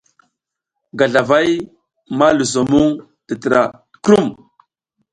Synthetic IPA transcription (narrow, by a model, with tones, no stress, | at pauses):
ɡa˨ɮa˨va˦j | ma˦lu˨z̬o˨mu˦ŋ | tə˨tə˨ɾa̰˨ | kɾu˦˨m